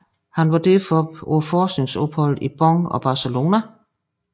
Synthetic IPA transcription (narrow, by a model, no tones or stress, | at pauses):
hænʋɑ̈d̥efɒo̰fɒːsɡ̥ne̝ŋsɔ̽b̥hɒ̽l̰̩ˠib̥ɒ̽ŋɒ̽b̥ɑ̈selo̝ːnæ